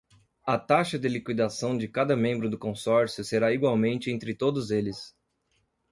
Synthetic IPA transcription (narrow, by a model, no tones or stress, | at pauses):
ɐt̪aʃɐd̪ɪlikwid̪asɐ̃w̃d͡ʒɪkad̪ɐmẽmbɾʊd̪ʊkõsɔɾsjʊseɾaiɡwawmẽnt͡ʃɪẽnt̪ɾɪt̪od̪ʊzelɪs